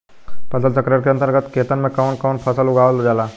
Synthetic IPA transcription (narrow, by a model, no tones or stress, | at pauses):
pʰɐsəlsəkɾiəɾkeɐ̃nt̪əɾɡət̪keːt̪ənmẽkɔːnkɔːnpʰɐsəlʊɡaːʋəlod͡ʒaːlaː